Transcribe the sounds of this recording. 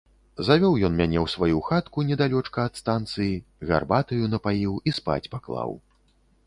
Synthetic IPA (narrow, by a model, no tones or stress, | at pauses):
zavʲɔwjɔnmʲanʲɛwsvajuxat̪kunʲɛd̪alʲɔt͡ʂkɐːt̪st̪ant̪sɨjiɣa̰rbat̪ɨjunɐpajiwispa̰t͡sʲpaklˠa̰w